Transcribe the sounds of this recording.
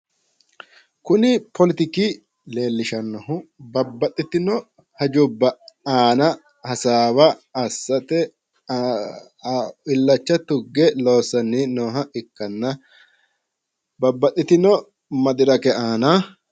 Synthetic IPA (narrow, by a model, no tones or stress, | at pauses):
kʊnɪpʰɔlɪt̪ɪkɪ | le̞ːlːɪʃɐnːɔɦʊbɐbːɐt̪ʼːɪt̪ɪnɔ | hɐd͡ʒʊbːɐaːnɐ | hɐsaːbɐɐsːɐt̪ɛ | ɪlːɐt͡ʃːɐt̪ʊɡːɛlo̞ːsɐnːɪnoːɦɐʔɪkːɐnːɐ | bɐbːɐt̪ʼːɪt̪ɪnɔ | mɐd̪ɪɾɐkɛaːna